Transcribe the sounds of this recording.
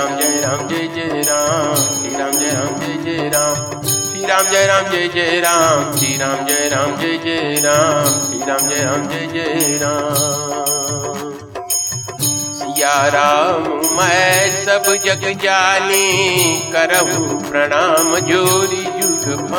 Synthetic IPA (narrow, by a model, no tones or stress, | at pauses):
amd͡ʒeɾãːmd͡ʒed͡ʒeɾãːmsiːɾaːmd͡ʒeɾaːmd͡ʒeːd͡ʒeɾaːm | siːɾaːmd͡ʒejɾãːmd͡ʒeːd͡ʒeɾãmsiːɾaːmd͡ʒeɾaːmd͡ʒeːd͡ʒeɾaːmsiːɾaːmd͡ʒeɾaːmd͡ʒeːd͡ʒeɾãː | jaːɾaːmmɐsɐbd͡ʒɐɡd͡ʒaːlikɐɾəɦupɾɐɽaːməd͡ʒoɾid͡ʒuːɾp